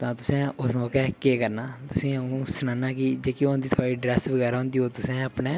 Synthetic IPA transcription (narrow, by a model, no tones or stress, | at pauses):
t̪ãːt̪ʊsɛ̃ːʊsmɔːkɛːkeːkəɾnaːt̪ʊsĩːnũːsʊnãːnaːkɪd͡ʒeːkiõːnd̪iːt̪ʰaːɽiːɖɾɛːsʋəɡɛːɾaõːnd̪iːoːt̪ʊsɛ̃ːəpnɛ̃ː